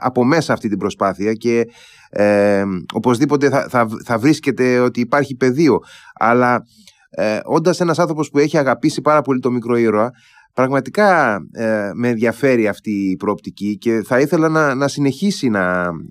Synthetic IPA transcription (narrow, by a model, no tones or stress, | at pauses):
ɐ̰po̞me̞sɐːft̪it̪ibɾo̞spɐθiɐce̞ | o̞po̞zðipo̞t̪̬e̞ɐθɐθɐvɾisce̞t̪e̞o̞t̪iːpɐɾçipe̞ðio̞ɐ̰lɐ | o̞nd̪ɐse̞nɐsɐnθɾopo̞spue̞çiɐɣɐpisipɐɾɐpo̞lit̪o̞mikɾo̞iɾoɐ | pɾɐɣmɐt̪ikɐ | meːnðʝɐfe̞ɾiɐft̪iːpɾo̞ːp̚t̪icice̞θɐiθe̞lɐnɐnɐsine̞çisinɐ